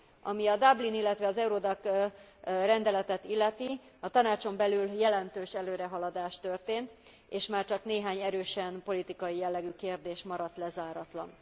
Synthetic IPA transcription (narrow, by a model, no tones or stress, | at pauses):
ɒmiɒd̪ɒblinilːɛt̪ʋɛɒzɛuɾod̪ɒk | rɛnd̪ɛlɛt̪ɛt̪ilːɛt̪i | ɒt̪ɒnaːt͡ʃo̞mbɛlyljɛlɛnt̪øːʃɛløːɾɛɦɒlɒd̪aːʃt̪ø̞rt̪eːnt̪ | eːʃmaːrt͡ʃɒkneːɦaːɲɛɾøːʃɛnpo̞lit̪ikɒjijɛlːɛɡykeːrd̪eːʃmɒɾɒt̪lɛzaːɾɒt̪lɒ̰n